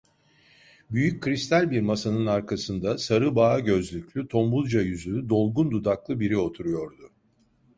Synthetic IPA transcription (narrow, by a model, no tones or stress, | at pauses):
byjyc̚ʰːɾist̪ʰælʲbiɾmasanɯnaɾkʰasɯnd̪asaɾɯbaːɟø̞zlʲycʰʲlʲyt̪ʰo̞mbulˠd͡ʒajyzyyd̪o̞lˠɡund̪ud̪aklˠɯbiɾio̞t̪ʰuɾujo̞ɾd̪ʊ